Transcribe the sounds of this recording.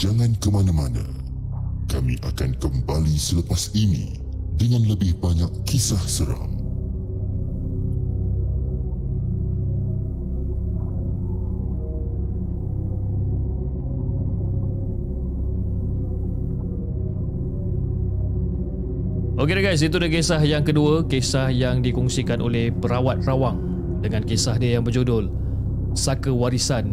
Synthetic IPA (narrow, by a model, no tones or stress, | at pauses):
d͡ʒaŋãnkəmanamanã̰ | kamiʔakankəmbalisələpasinḭ | dəŋãnləbɪhbaɲakːisahsəɾa̰m | ʔokeɾaɡajs̬it̪udahkesahjaŋkəduəkesahjaŋdikɔŋsikanʔo̰lɛhpəɾawat̪̚rawaŋ | dəŋãnkesaɦdiəjaŋbərd͡ʒodʊl | sakəwaɾisan